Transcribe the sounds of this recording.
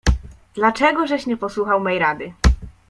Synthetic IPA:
d̪lat͡ʂɛɡɔʐɛɕɲɛpɔswuxawmɛjɾad̪ɘ

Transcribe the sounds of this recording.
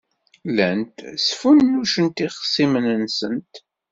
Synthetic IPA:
lænt̪sfunːuʃənt̪iχəsimənənsənt̪

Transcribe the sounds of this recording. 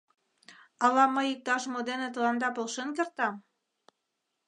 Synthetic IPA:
ɑlɑmɤik̚t̪ɑʃmod̪enĕt̪ɤ̆lɑnd̪ɑpolʃĕnkĕrt̪ɑm

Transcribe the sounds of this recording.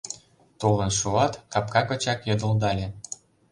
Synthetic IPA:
t̪olənʃuɑt̪kɑpkɑkɤ̆t͡ɕɑkjɤd̪ə̆ld̪ɑlʲe

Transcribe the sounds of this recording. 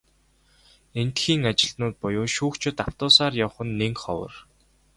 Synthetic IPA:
en̥t̪xiːŋat͡ɕɪ̆ɮnʊːt̪̚pʊjʊːʃuːkt͡ɕʰʊ̆t̪aw̥t̪ʊːsaːrjaw̆χə̆nːeŋkχɔ̰wə̰̆r

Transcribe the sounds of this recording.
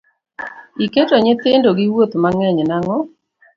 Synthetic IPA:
iketoɲɪt̪ɪndoɡɪwot̪maŋɛɲnaŋɔ

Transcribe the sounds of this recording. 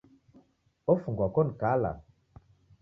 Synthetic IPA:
ofuŋɡwakɔnkala̰

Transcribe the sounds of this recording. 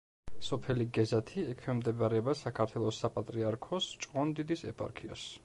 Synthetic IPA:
sɔpʰɛliɡɛzat̪ʰiɛkʰwɛmd̪ɛbaɾɛbasakʰaɾt̪ʰwɛlˠɔsapʼat̪ʼɾiaɾkʰɔst͡ʃʼqʼɔnd̪id̪isɛpʼa̰ɾkʰiɔ̰s

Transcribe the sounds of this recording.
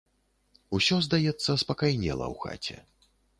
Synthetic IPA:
usʲɔzd̪ajɛt̪sːɐspɐkajnʲɛ̰lˠɐ̰wxa̰t͡sʲɛ̰

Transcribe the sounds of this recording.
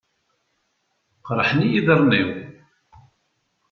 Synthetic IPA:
qɾˤəħənijiðəɾˤniw

